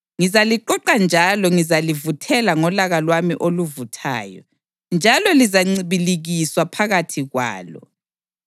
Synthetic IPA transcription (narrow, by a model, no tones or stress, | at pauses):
ŋizaliǃɔǃand͡ʒʱalɔŋizalivutʰɛlaŋɔlaɣalwamḭʔoluvutʰa̰ːjɔ̰ | nd͡ʒʱalɔlizaŋ͡ǀiβiliɣiswapʰaɣatʰiɣwa̰ːlɔ̰